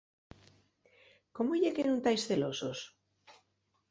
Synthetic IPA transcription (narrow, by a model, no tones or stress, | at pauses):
komoʎekenũnt̪ajsθelosos